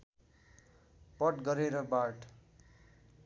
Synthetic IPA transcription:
pʌʈɡʌɾeɾʌbaʈ

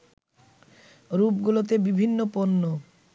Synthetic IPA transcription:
ɾupɡulot̪̬ebibʱinːoponːo

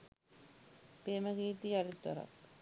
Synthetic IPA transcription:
peːməɡiːt̪ialit̪ːɐ̰ɾa̰k

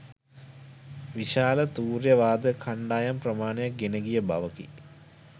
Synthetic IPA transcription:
ʋiʃaːlət̪uːrjəʋaːd̪əkʰaɳɖaːjamprəmaːnəjak̚ɡenəɡijəba̰ʋəkḭ

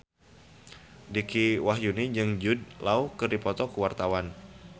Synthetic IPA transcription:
dikiwaɦjunid͡ʒɨŋd͡ʒud̚laukərdipɔt̪ɔkuwart̪awan

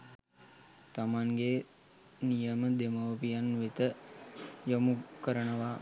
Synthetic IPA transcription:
t̪amaŋɡe | nijəməd̪emoʋpijanʋet̪ə | jəmukəɾənəʋa

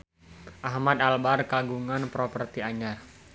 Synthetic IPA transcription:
ʔahmad̪albarkaɡuŋanpɾɔpərt̪iaɲar

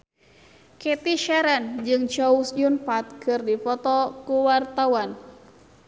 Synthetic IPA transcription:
kɛt̪iʃɛɾand͡ʒɨŋt͡ʃɔusjunpat̪̚kɨrdipɔt̪ɔkuwart̪awan

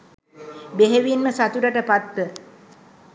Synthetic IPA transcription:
beɦeʋinməsat̪uɾəʈəpat̪ʋə

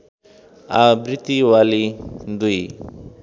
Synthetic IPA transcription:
abɾit̪iwalid̪ui

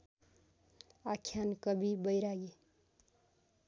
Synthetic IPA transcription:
akʰjankʌbʱibəjɾaɡe

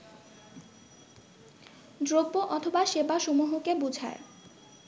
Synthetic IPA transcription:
dɾoboʔɔt̪ʰobaʃebaʃomuɦokebud͡ʑʱa̰e

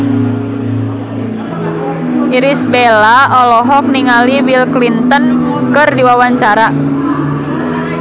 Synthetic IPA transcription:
iɾisbelaɔlɔɦɔk̚niŋaliwilklint̪ənkɨrdiwawaɲt͡ʃaɾa

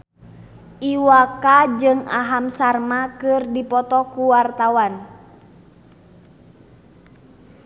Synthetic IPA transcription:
ʔiwakad͡ʒɨŋaɦamsarmakɨrdipɔt̪ɔkuwart̪awan

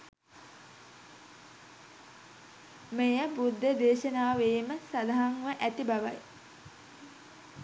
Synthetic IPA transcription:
mejəbud̪ʱːəd̪eːʃənaːʋeːməsad̪aɦaŋʋəʔæt̪ibaʋa̰j

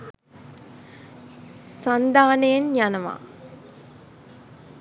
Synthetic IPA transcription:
sand̪aːnəjenjanəʋa̰ː

